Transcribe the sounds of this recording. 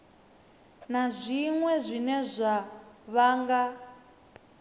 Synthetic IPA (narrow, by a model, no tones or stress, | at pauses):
nazʷiŋwɛzʷinɛzʷaβaːŋɡa